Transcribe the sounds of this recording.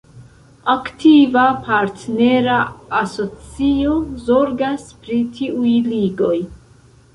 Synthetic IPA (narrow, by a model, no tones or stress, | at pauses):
aktivapʰaɾtne̞ɾaaso̞t͡sio̞zo̞ɾɡaspɾitʰiʔujliɡo̞j